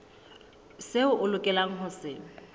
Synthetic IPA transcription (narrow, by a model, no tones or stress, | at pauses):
seʊʔʊlʊkʼɛlaŋ̩ɦʊsɪ